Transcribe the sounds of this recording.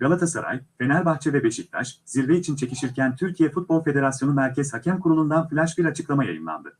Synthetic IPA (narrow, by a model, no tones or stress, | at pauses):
ɡ̥alˠat̪ʰasa̰ɾa̰jfe̞næɾbaxt͡ʃʰɛvɛbeʃic̚t̪ʰa̰ʃziɾveit͡ʃʰint͡ʃʰe̞ciʃiɾcʰænt̪ʰyɾcʰijɛfut̪̚bo̞lʲˠfe̞d̪e̞ɾasjo̞numæɾcʰɛz̥hacʰæmkʰuɾulˠund̪anflʲæʃbiɾat͡ʃʰɯklˠamaja̰jɯ̰nlˠa̰nd̪ɯ